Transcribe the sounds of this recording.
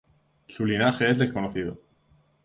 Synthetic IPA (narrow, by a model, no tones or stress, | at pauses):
sulinaxe̞e̞zðe̞sko̞noθið̞o̰